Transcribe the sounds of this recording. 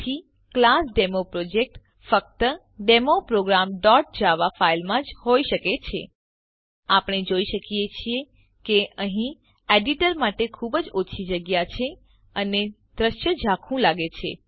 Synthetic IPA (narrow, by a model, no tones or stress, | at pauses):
t̪ʰi | klasɖemopɾod͡ʒek̚ʈ | fək̚t̪ə | ɖemopɾoɡɾamɖɔʈ̚d͡ʒaʋafailmãd͡ʒhoiʃəket͡ʃʰḛ | apɽ̃ed͡ʒoiʃəkijet͡ʃʰie | keəɦĩ | eɖiʈəɾmaʈekʰubəd͡ʒot͡ʃʰid͡ʒəɡjat͡ʃʰe | əne | d̪ɾəʃjəd͡ʒʱakʰũlaɡet͡ʃʰḛ